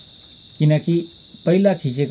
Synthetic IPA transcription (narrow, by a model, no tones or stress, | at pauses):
kinaki | pəilak̪ʰiʃ̬ek